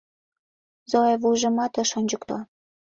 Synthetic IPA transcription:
zoevujʒə̆mɑt̪ə̆ʃonʲd͡ʑəkt̪o̰

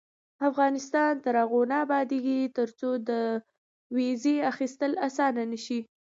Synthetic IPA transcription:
afɣɑnɪst̪ɑnt̪aɾɑɣonaːbɑd̪eɡit̪əɾt͡sod̪ə | wezeaxist̪əlasɑnanəʃi

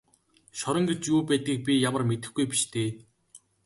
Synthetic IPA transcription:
ʃɔɾɞ̆ŋɡet͡ɕjuːpæːt̪ɡiːk̚pʲijamə̆rmet̪ɘ̆xɡujpi̥ʃt̪ʰeː

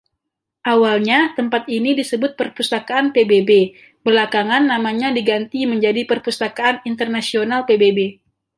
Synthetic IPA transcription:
ʔawalɲat̪əmpat̪inidisəbʊt̪̚pərpust̪akaːnpebebe | bərlakaŋanːamaɲadiɡant̪iməɲd͡ʒadipərpust̪akaːnint̪ərnasionalpebebe

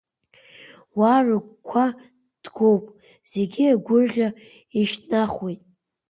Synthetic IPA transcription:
warɨkʷkʷʰa | d̥ɡowpʼ | z̥eɡʲiaɡʷʊrʒʲa | iʃtʰnaχwijtʼ

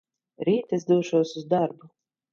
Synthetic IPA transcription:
ɾiːt̪ɛsd̪uːʃuɔsuzd̪aɾbu

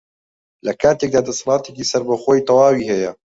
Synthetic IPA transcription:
lɐkʰaːt̪ek̚d̪aːd̪ɐsmaːt̪ekiːsɐɾbɐxoːjit̪ɑwɑːwiːhɛjɐ

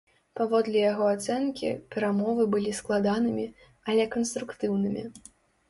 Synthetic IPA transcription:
pavɔd̪lʲɛjaɣɔat̪sɛnkʲḭpʲɛɾamɔvɨbɨlʲisklˠad̪anɨmʲi | ɐlʲɛkɐnst̪ɾukt̪ɨwnɨmʲḭ

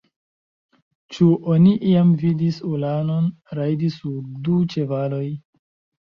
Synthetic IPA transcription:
t͡ʃuʔoniʔiamvidisulano̞n | ɾajdisuɾdut͡ʃe̞valo̞j

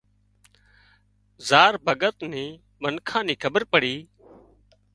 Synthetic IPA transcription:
zaːɾbʱəɡət̪nĩː | mənkʰãːnĩːkʰəbəɾpəɽiː

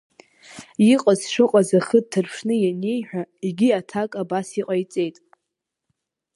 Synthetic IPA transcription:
iqʼazʂɨqʼazaχəd̚tʰɨrpʰʂnɨjane̞jħʷᶣaiɡʲiatʰakʼabasiqʼajt͡sʼe̞jtʼ

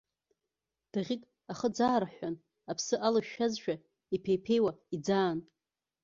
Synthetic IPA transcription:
d̥aʁʲikʼ | aχəd͡zaːɾaħʷᶣan | apʰsɨʔalaʃᶣazʃᶣa | ipʰejpʰe̞jwaid͡zaːn

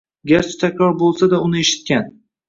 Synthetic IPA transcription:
ɡʲaɾt͡ʃʰɪ̥t̪ʰakʲɾɒɾbolˠsad̪aʊnɪeʃɪ̥t̪̚kʲan

